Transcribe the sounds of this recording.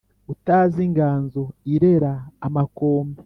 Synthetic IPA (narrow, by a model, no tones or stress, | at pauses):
utaːziŋɡaːnzoiɾe̞ɾaːmakoːmbi